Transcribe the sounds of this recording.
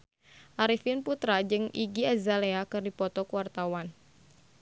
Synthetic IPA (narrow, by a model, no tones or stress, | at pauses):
ʔaɾifinput̪ɾad͡ʒɨŋʔiɡiazaleakɨrdipɔt̪ɔkuwart̪awan